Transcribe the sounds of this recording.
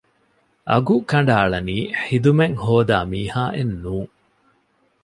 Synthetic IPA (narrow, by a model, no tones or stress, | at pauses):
ʔɐ̰ɡukɐɳ̆ɖaːɭɐniːħid̪umeŋhoːd̪aːmiːhaːʔenːuːŋ